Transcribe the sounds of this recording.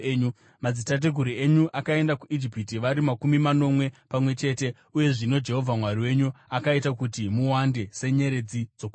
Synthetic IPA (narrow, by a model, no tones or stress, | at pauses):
u | mad͡zitat̬eɡʱuɾieɲuʔakae̞ndakuʔid͡ʒipit̬iʋaɾimakumimano̞mwe̞pamwe̞t͡ʃe̞ːte̞ | uje̞ʐino̞d͡ʒe̞ɦo̞vʱamwariwe̞ɲuakaitakutimuwande̞se̞ɲe̞ɾe̞d͡zid͡zo̞kː